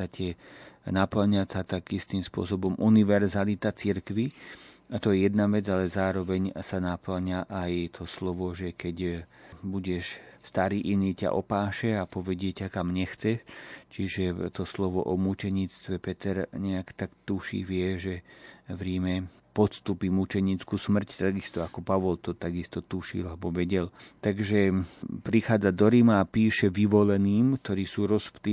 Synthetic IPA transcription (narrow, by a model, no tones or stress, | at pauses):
acɛnapl̩ɲasat̪aɡist̪iːmspʊɔ̰sɔbɔmʔuniʋɛɾzalit̪at͡siɾkʋi | at̪ɔjɛjɛd̪̚naʋɛd͡zalɛzaːɾɔʋɛɲsanapl̩ɲaʔajt̪ʰɔslɔʋɔʒɛkɛɟbuɟɛʃst̪aɾiːʔiniːca̰ʔɔpaːʃɛapɔʋɛɟɪɛcakamɲɛxt͡sɛʃt͡ʃiʒɛt̪ɔslɔʋɔ̰ʔɔmut͡ʃɛɲiːt͡st̪ʋɛpɛt̪ɛɾɲɛakt̪akt̪uʃḭʋɪɛʒɛʋɾimɛ | pɔt̪st̪upimut͡ʃɛɲiːt͡skuːsmr̩ct̪aɡist̪ɔakɔpaʋɔlt̪ɔt̪aɡist̪ɔt̪uʃḭlabɔʋɛɟɛlt̪aɡʒɛpɾixaːd͡zad̪ɔɾimaːpiːʃɛʋiʋɔlɛniːmkt̪ɔɾiːsuːɾɔspt̪iː